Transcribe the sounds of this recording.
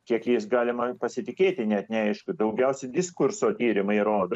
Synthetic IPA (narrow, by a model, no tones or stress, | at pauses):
kʲiɛkjɪsɡɑːlʲɪmɐpɐsʲɪt̪ʲɪkʲeːt̪ʲɪnʲɛt̪nʲɛɐɪʃkʊd̪ɐʊɡʲɛʊsʲɛd̪ʲɪskʊrsoːt̪ʲiːɾʲɪmɐɪɾoːd̪ɐ